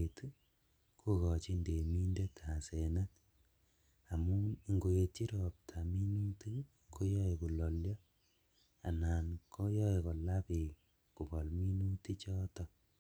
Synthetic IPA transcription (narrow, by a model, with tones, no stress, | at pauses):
etu˦ | kʰu˦ɣɔ˨t͡ʃi˦nde˨mi˦nde˦tʰa˨sena˦t | a˨mu˦˨ŋɡo˨je˨ti˦ɾɔ˨p̚tʰa˨mi˦nu˦ti˦ | kʰo˦jɔ˦eku˨lɔ˨ljɔ˦ | a̰˨na˨nko˦jɔ˦e˨kɔ˨la˦pi˨ | ku˨kɔ˨lmi˦nu˦ti˦t͡ʃɔ˦tɔ˨